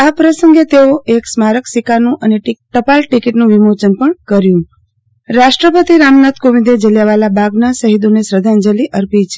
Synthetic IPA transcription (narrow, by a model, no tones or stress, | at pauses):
apɾəsəŋɡet̪eoeksmaɾəksikanũʔəneʈiʈəpalʈikiʈnũʋimot͡ʃənpəɳkəɾjũ | ɾaʃʈɾəpət̪iɾamnat̪koʋid̪ed͡ʒəljaʋalabaɡnasəɦid̪onesɾəd̪ʱand͡ʒəliʔəɾpit͡ʃʰe̥